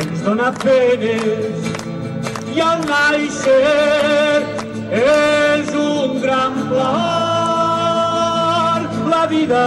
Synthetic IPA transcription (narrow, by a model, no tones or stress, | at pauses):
nzðonapenes | ialnajse | ɾ | ɛzuŋɡɾamflɔ | ɾblaβiða